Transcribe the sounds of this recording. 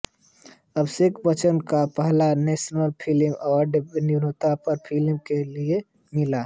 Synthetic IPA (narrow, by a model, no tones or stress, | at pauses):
ɐbsɪkbət͡ʃənkapɛɦlanɛːʃnəlpʰɪlɪmɔːɾɖbniɾot̪apɐɾpʰɪlɪmkelie | mɪla